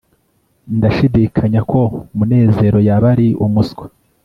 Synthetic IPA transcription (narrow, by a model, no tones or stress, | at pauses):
ndaʃidikʰaɲakʰo̞mune̞ːze̞ɾo̞jaβaɾiumusɡwḁ